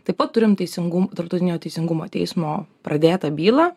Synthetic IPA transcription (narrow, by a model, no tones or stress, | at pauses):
t̪ɐɪpɐt̪t̪ːʊɾʲɪmt̪ʲɛɪsʲɪŋɡʊmt̪ɐɾp̚t̪ɐʊɪnʲoːt̪ʲɛɪsʲɪŋɡʊmoːt̪ʲɛ̰ɪsmoːpɾʔɐd̪ʲeːt̪ɐbʲiːlˠɐː